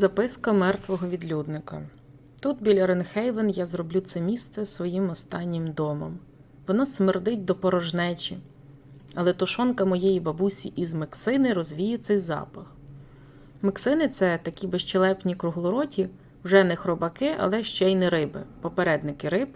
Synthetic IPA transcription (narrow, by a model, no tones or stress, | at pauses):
zɐpɪskɐmɛrt̪ʋɔɦɔʋʲid̪lʲud̪nɪkɐ | t̪ut̪bʲilʲɐɾɛnxɛjʋenjazrɔblʲut̪sɛmʲist̪sɛsʋɔjimɔst̪ɑnʲːɪmd̪ɔmɔm | ʋɔnɔsmɪrd̪ɪt̚ʲd̪ɔpɔɾɔʒnɛt͡ʃʲḭ | ɐlˠɛt̪ʊʃɔnkɐmɔjejibɐbusʲiʔizmɐksɪnɪɾɔzʋʲijɪt̪sɛjzɑ̰pɐx | mɐksɪnɪt̪sɛt̪ɐkʲibeʃt͡ʃelˠɛpnʲikɾʊɦlˠʊɾɔtʲi | wʒɛnɛxɾɔbɐkɪʔɐ̰lˠɛʃt͡ʃɛjnɛɾɪbɪ̰pɔpeɾɛd̪nɪkɪɾɪb